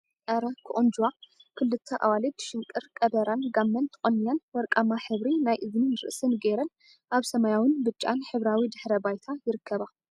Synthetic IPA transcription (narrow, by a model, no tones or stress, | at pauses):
ʔʼɐɾɐkʰɨʔʼond͡ʒuwakʰɨlːɨt̪ʰːɐʔa̰walid̪ʃɪŋkʼɨɾkʼɐbɐɾanɡamːɐnt̪ʰɨχʼonːjanwɔɾkʼamaħɨβɾinajʔɨzninɨɾɨ̰ʔsɨnɡeɾɐn | ʔaβsɐmajawɨnbɨt͡ʃʼːanħɨβɾawid̪ɨħɾɐbajt̪ʰajɪɾɨkʰːɐβa